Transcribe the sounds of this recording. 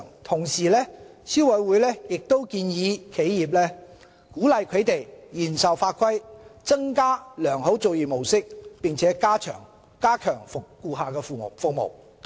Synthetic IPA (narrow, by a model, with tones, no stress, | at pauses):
ŋt̪ʰʊ˨˩ŋsiː˨lɛː˥siː˥wɐ˨˧˥wuː˨˥jlɛː˥jɪ˨k̚t̪o˥wkiː˧njiː˨˧kʰe˨˥jjiː˨˩p̚lɛː˥ | kuː˨˥lɐ˨˧jkʰɵ˨˧˥t̪e˨jjiː˨˩nsɐ˨wfaː˧t̚kʰɐ˥jt͡sɐ˥ŋkaː˥lœː˨˩ŋɦo˨˥wt͡so˨wjiː˨˩mo˨˩wsɪ˥k̚pɪ˨ŋt͡sʰɛː˨˦˥kaː˥t͡ʃʰœ̰ː˨˩ŋ | kaː˥kʰœː˨˩ŋfʊ˨kːuː˧ɦaː˨kɛː˧fuː˨˩˨fʊ˨k̚mo̰˨˩w